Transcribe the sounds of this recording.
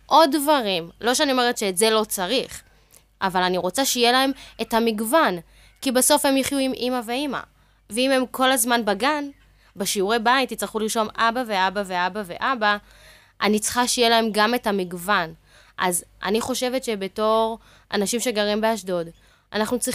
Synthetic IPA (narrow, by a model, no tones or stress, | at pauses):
ʔodvaʁimlo̞ʃeanio̞me̞ʁetʃeːtze̞lo̞t͡saʁiχ | ʔavalaniʁo̞t͡saʃeijelae̞methamiɡvan | kibaso̞fhe̞mjiχjuimʔimave̞ima̰ | veime̞mkʰo̞lazmanbaɡan | beʃiuʁebaitit͡sʁiχuliʁʃo̞mʔabaveabave̞abave̞ʔaba | ʔanit͡sχaʃejelae̞mɡame̞thamiɡvan | ʔa̰zʔa̰niχo̞ʃe̞vetʃebe̞to̞ʁ | a̰naʃimʃe̞ɡaʁimbeaʃdo̞d | ʔanaχnut͡si